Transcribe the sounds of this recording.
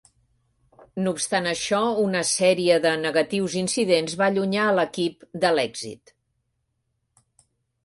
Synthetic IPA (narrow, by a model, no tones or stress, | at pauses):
nupst̪anəʃɔunəsɛɾiəðənəɣət̪iwzinsiðenzβaʎuɲaələkipd̪əlɛɡzḭt̪